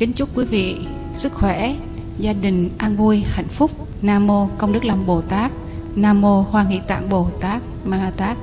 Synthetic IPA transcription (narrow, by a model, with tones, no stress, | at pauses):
kï˨˦ŋ̟t͡ɕʊ˦˥kwi˨˦vḭ˧˨ | sɨ˦˥k̚xwɛ˧˩ | zaː˧ɗï˨˩ŋ̟ʔaː˧nvu˧əjha̰˧˨jŋ̟fʊ˦˥k͡p̚ | naː˧mo˧kə˧wŋ͡mɗɨ˦˥k̚la˧˩mɓo˧˩t̪aː˦˥k̚ | naː˧mo˧hwaː˧ŋḭ˧˥t̪a̰ː˧˨ŋɓo˨˩t̪aː˦˥k̚maː˧t̪aː˦˥k̚